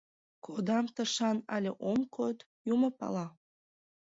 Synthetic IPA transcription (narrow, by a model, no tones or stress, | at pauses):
kʰod̪ɑmt̪əʃɑnɑ̰lʲeʔomkʰot̪ | juməpɑ̰lɑ